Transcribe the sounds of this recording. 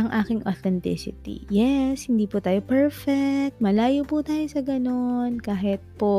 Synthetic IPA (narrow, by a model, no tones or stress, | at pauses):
ɐŋʔaːkɪŋʔot̪ɛnt̪ɪ̰sɪ̰t̪ḭjɛshɪnd̪iːpʊt̪aːjopɛɹfɛk̚t̪̚mɐlaːjopʊt̪aːjosɐɡɐno̞nkaːɦɪt̪̚po